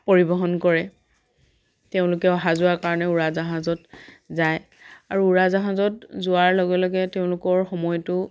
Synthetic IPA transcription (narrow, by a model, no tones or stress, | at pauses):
poɹibɔɦɔnkɔɹɛ | teʊ̃lʊkɛɔɦazʊwakaɹɔnɛuɹazaɦazɔt | zaj | aɹuːɹazaɦazɔtzʊaɹlɔɡɛlɔɡɛteʊ̃lʊkɔɹxɔmɔjtʊ